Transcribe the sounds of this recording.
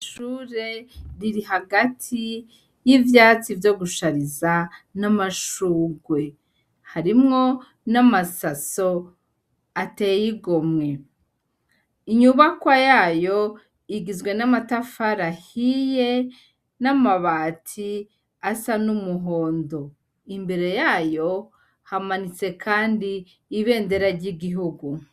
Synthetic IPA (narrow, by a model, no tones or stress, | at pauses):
ʃuːɾe̞ɾiɾiɦaɡatʰi | jivjaːt͡sivjo̞ɡuʃaɾizanamaʃuːɡwe̞ | haɾimŋo̞ | namasaso̞ | atejjiɡomŋe̞ | iɲuβakwajaːjo̞ | iɡizɡwe̞namatafaɾahije̞ | namaβaːtʰi | asanumuɦo̞ːndo̞ | imbe̞ɾe̞jaːjo̞ | hamanit͡se̞kʰaːndiː | βe̞ːnde̞ɾaɾɟiɡiɦuɡu